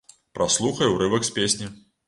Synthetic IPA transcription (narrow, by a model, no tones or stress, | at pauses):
pɾʔaslˠuxɐjuwɾɨvɐksʲpʲesʲnʲi